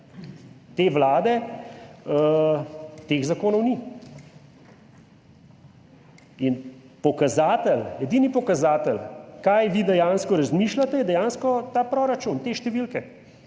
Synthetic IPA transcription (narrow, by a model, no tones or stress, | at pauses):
t̪eːʋlaːd̪ɛ | t̪eːɣzakoːnɔwni | in | pɔkazaːt̪ɛlɛd̪inipɔkazaːt̪əlkajʋiːd̪ɛjaːnskɔɾazmiːʃlat̪ɛjɛd̪ɛjaːnskɔt̪aːpɾoːɾat͡ʃunt̪eːʃt̪ɛʋilkɛ